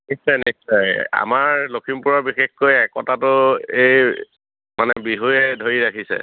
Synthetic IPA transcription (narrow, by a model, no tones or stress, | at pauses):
nissɔjnissɔja̰maɹlokʰimpʊɹabixexkojɛkɔtatʊej | manɛbiɦujɛdʱojiɹakʰisɛ̰